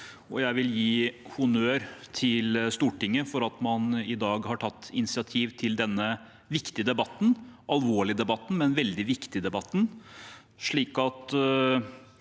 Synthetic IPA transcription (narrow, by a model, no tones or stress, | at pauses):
ɔjæɪʋɪljiːhʊnøːɾt̪ʰɪlst̪uːʈɪŋːəfɔɾɑt̪mɑnɪd̪ɑːɡhɑʈʰɑt̪ːɪnɪsɪɑt̪ʰiːʋt̪ʰɪld̪ɛnːə | ʋɪkt̪ɪəd̪ɛbɑt̪ːn̩ɑlʋoːɭɪd̪ɛbɑt̪ːn̩mɛnʋɛld̪ɪʋɪkt̪ɪd̪ɛbɑt̪ːn̩ | ʂɭiːkɑt̪